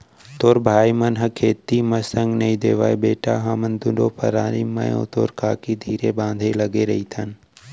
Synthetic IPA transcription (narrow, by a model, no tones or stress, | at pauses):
t̪oːɾbʱaːimɐnɦəkʰeːt̪ːimɐsə̃ŋɡnɐĩd̪eːʋaːebeːʈaːɦɐmənd̪ʊɳɖoːpʰɐɾaːɾiːmɐ̰jõ̰ːt̪oːɾkaːkid̪ʱiːɾebãːnd̪ʱelɐɡeɾɐɦit̪ʰɐn